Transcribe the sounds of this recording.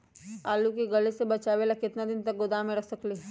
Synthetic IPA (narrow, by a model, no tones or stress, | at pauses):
aːlukeɡɐlesebɐt͡ʃaːʋeːlakɪt̪nad̪ɪnt̪ɐk̚ɡʊd̪amẽɾɐksɐkleː